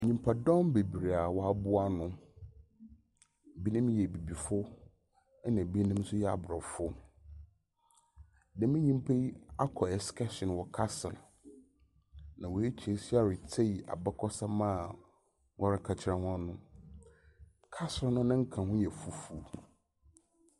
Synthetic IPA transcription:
ɲĩ˨mpʰa˨dɔ̃˦mbe˨bi˨ɾe˨a˨wɔ˦a˦bʊ˦a˦nʊ̃˦˨ | bi˦nɪ̃˦m̃˦jɛ˨bi˨bi˨fʊ˦ | nã˨bi˦e˦nĩ˦m˦sʊ˦jɛ˦a̰˨bɾɔ˨fʊ˦ | dɛ̃˨mɪ̃˦ɲĩ˦m˦pʰe˦a˦kʰɔ˨ɛ˨skɛ˦ɕɪ̃˨n˨wɔ˦kʰa˦sɪ˨l | nã˨wɔ˨e˦t͡ɕʰi˨e˨si˦a˨ɾɪ˨t͡sʰe˦i˨a̰˨ba˦kʰɔ˦sa˦mã˦˨ | wʔɔ˦ɾɪ˦kʰa˨t͡ɕʰɪ˨ɾã˦hã˦nʊ̃˦ | kʰa˦sɪ˨lnʊ̃˦nã˦ŋ̩˦kʰã˨hʊ̃˦jɛ˨fu˨fu˨

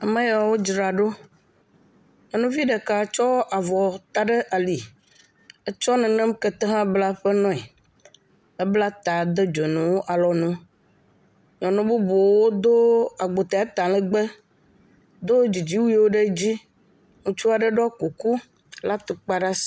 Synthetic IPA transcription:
a˨mɛ̃˦ja˨˦wo˦d͡ʒɾa˨ɖo˦ | ɔ̃˨nũ˦vi˦ɖɛ˨ka˨t͡ʃɔ˦ʔa˨vɔ˨t̪a˨ɖe˦ʔa˨li˨ | ɛ˦t͡ʃɔ˦nɛ̃˨nɛ̃˦m˦kɛ˨t̪ɛ˦ɦã˦bla˦ɸɛ˦nɔ̃˦ɛ˨ | ɛ˦bla˦t̪a˨d̪ɛ˦d͡ʒo˨nũ˨wo˦ʔa˨lɔ˨nũ˦ | ɲɔ̃˨nũ˦bu˦bo˨wo˦d̪o˦a˨ɡ͡bo˨t̪e˨a˦t̪a˨lɛ˦ɡ͡be˦ | d̪o˦d͡ʑi˨d͡ʑi˦wu˦wo˦ɖe˦d͡ʑi˦ | ŋũ˦t͡ʃu˦a˨ɖə˦ɖɔ˦ku˨ku˦ | la˦t̪o˨k͡pa˦ɖa˦s

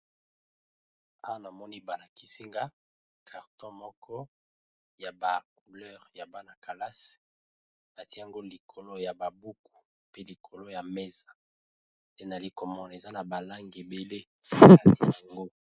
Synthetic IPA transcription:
a˦wa˦na˨mɔ˦ni˦ba˨na˨ki˨si˦ŋɡa˦ | kʰa˨ʁtɔ̃˦mɔ˦kʰɔ˦ | ja˨ba˨k̚u˨lɛ˦ʁja˨ba˦na˨ka˨la˦s | ba˨ti˦˨a˨ŋɡo˦li˨kʰo˨lo˦ja˨ba˨bu˦ku̥˨ | pe˦li˨kʰo˨lo˦ja˨me˦za˨ | de˦na˨li˦ko˨mɔ˦n˨e˨za˦na˨ba˨la˦ŋɡe˨be˨le˦˨ | a˨tja˨ŋɡo˦

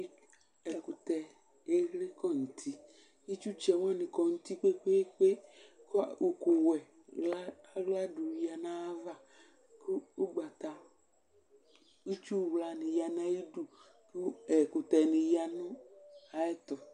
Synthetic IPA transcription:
ɛ˨ku˨t̪ɛ˨ | e˦ɣle˦kɔ˦ŋ̩˨t̪ʰi˦ | e˦t͡ʃu˦t͡ʃɛ˨wã˦nĩ˨kɔ˨ŋu˦t̪i˦k͡pe˦ɸe˦k͡pe˦kwo˨ko˨wɛ˨ | a˦ɣla˦du˨wa˨nã˦a˦va˦ | ko˦o˦ɡ͡ba˨t̪a˨ | i˦t͡ʃu˦˨wla˨nĩ˨ja˨nã˦ji˦du˨ | ku˦ɛ˨ku˨t̪ɛ˨nĩ˨ja˨nũ˦a˨ɛ˦t̪ɔ˨

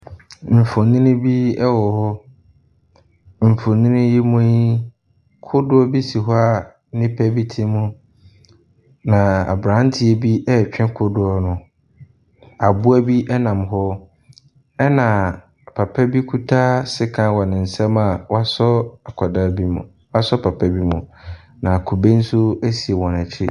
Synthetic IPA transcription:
m̩˨fo˨nĩ˦nʊ̃˦bi˦ɛ˦wɔ˨hɔ˦ | m̩˨fo˨nĩ˦nʊ̃˦ji˦mũ˦i˦ | kʰʊ˦dʊ˦ɔ˦bi˦si˨ɦɔ˦a˨ | nɪ̃˦pʰɛ˦bi˦tʰi˦mʊ̃˦ | nã˨a̰˨bɾã˦n˦tʰɪ˨ɛ˨bi˦ɛ˦˨t͡ɕᶣɛ̃˦kʰʊ˦dʊ˨ɔ˦nʊ̃˨ | a˨bʊ˦æ˦bi˦ʔɛ˦nã˨mɦɔ˦ | ɛ˦nã˨ | pʰa˨pʰɛ˦bi˦kʰu˦tʰaː˦sɪ˦kʰã˨wɔ˨nɪ̃˨n̩˨sɛ̃˦ma˨wa˦sɔ˦a˨kʰɔ˨daː˦˨bi˦mṵ̃˨ | wa˦sɔ˦pʰa˨pʰa˦bi˦mʊ̃˨ | nã˨kʰʊ˨be˦n̩˦sʊ˦æ˦si˨e˨wɔ̃˨nɛ˨t͡ɕʰɪ˦

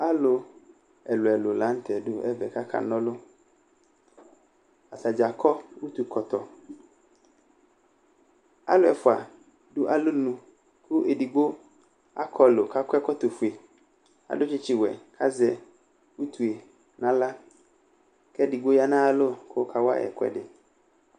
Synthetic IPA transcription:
a˦lʊ˨ | ɛ˨lʊ˨ɛ˨lʊ˨la˨˦n̩˦tʰɛ˨dʊ˨ɛ̰˦vɛ˨ka˦kʰa̰˨nɔ̃˦lʊ˦ | a˨ta˨d͡ʒa˨kʰɔ˦u˦t̪u˨kʰɔ˨t̪ɔ˨ | a̰˦lʊ˦ɛ˨fʊ˨a̰˨ | dʊ˦ʔa˨lʊ˦nũ˨ | kʰʊ˦ʔe˨di˨ɡ͡bo˦ | a˦kʰɔ˦˨lʊ˨ka˦kʷɛ˦kɔ˦t̪ʊ˨fu˨e˨ | a̰˨dʊ˦t͡ʃɪ˦t͡ʃɪ˨wɛ˨kʰa˦zɛ˨ | wu˦tu˨e˨ | nã˦la˦ | kɛ˦di˨ɡ͡bo˦ja˦nãː˦lʊ˦kʰʊ˦kʰa˨wa̰˦ɛ̰˨kwɛ̰˨dɪ˨

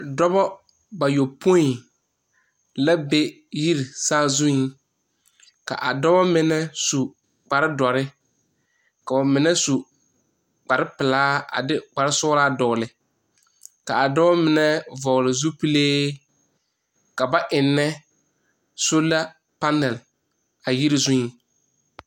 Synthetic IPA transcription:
dɔ˦bɔ˦ | ba˨jo˨pʰo˦i˨ | la˦be˦ | ji˦ɾi˨saː˦zu˦ | ka̰˨ʔa̰˨dɔ˦bɔ˦mɪ˨nɛ˦su˨ | k͡pa˨ɾɪ˦dɔ˨ɾɪ˦ | ka˨ba˨mɪ˨nɛ˦su˨ | k͡pa˨ɾɪ˦pɪ˨laː˦a̰˨dɪ˦k͡pa˨ɾɪ˦sʊː˦ɾaː˦dɔ˨lɪ˨ | ka˨a˨dɔ˦ɔ˦mɪ˨nɛ˦vɔ˨lɪ˨zu˦pi˦leː˦ | ka˨ba˦ʔɪ˨nːɛ˦ | so˦la˦ | pa˦nːɛ˨l | a˨ji˦ɾi˨zu˦i˦

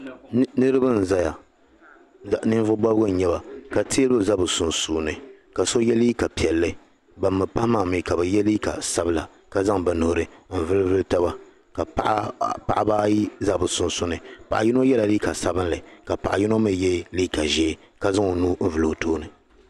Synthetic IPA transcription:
nɨ˦ɾɨ˦ba˦n̩˨za˦ja˨ | nɨ˦nvʊ˦bɔ˦bɡʊ˦˨ɲɛ˦ba˨ka˨ti˦lbɨ˦za˦bɨ˨sʊ˨nsuː˨nɨ˨ | ka˨so˦jɛ˦li˦ka˨pi˨ɛ˨lːɨ˦ | ba˨mːɨ˨pa˦hmaː˨mi˨ka˨bɨ˨jɛ˦li˦ka̰˨sa˦bɨ˦la˨ | ka˦za˦ŋba˨nʊ˨hɾɨ˨m̩˨vɨ˦lɨ˦vɨ˦lɨ˦ta˦ba˦ | ka˨pʔpa̰˨ʔa˦baː˦ji˦za˦bɨ˨sʊ˨nsʊ˦nɨ˨pa˨ʔa˨ji˦no˦jɛ˦la˨liː˦ka˨sa˦bɨ˦nlɨ˨ka˨pa˨ʔa̰˨ji˦no˦mɨ˦jɛ˦liː˦ka˨ʒɛ˦ | ka˨za˦ŋo˨nuː˦m̩˦vɨ˨lo˨toː˦nɨ˨

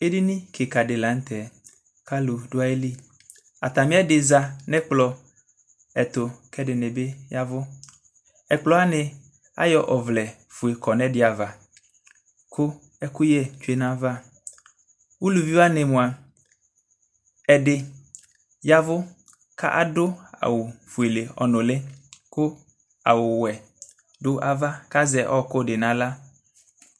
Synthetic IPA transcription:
e˦di˦nĩ˦kʰe˨ka˨dɪ˨lã˨˦n̩˦t̪ɛ˨ | kʰa˦lʊ˨dʊ˦a˦e˦li˦ | a̰˨t̪a˨mɪ̃˦ɛ˦dɪ˨za˨nɛ̃˦k͡plɔ˨ | ɛ˨t̪ʊ˨kʰɛ˦dɪ˨nɛ˨be˦ja˦vʊ˦ | ɛ˨k͡plɔ˦a˦nɪ˨ | a̰˦jɔ˨ʔɔ˨vlɛ˨fu˨e˨kɔ˨nɛ̃˦dɪ˨a˨va˨ | kʰʊ˦ | ɛ˦ku˦jɛ˦t͡ʃu˦e˦nã˦va˦ | wo˦lu˨vi˦wa˦ne˨mũ˨a˨ | ɛ˨ɖe˨ | ja˦vʊ˦ | ka̰˦ʔa˦ɖʊ˦a̰˨wo˨fu˨e˨le˨ɔ̰˨nõ˨le˦ko˦ | a˨wo˨wɛ˨ | ɖo˦ʔa˦va˦ka˦zɛ˨ʔɔ˦ko˦ɖe˨nã˨la˦

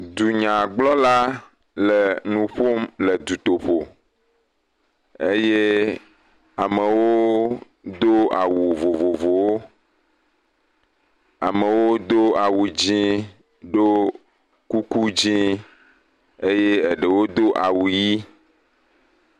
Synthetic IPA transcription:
d̪u˨ɲã˨ɡ͡blɔ˦la˦ | lə˨nũ˨ɸo˦mlə˨d̪u˨t̪o˨ɸo˨ | e˦je˦ | a˨mə˨wo˦ | d̪o˦a˨wu˨vo˨vo˨vo˨wo˦ | a̰˨mə˨wo˦d̪o˦a˨wu˨d͡ʑĩ˦ | ɖo˦ | ku˦ku˦d͡ʑĩ˦ | e˦je˦e˨ɖə˨wo˦d̪o˦ʔa˨wu˨ji˦

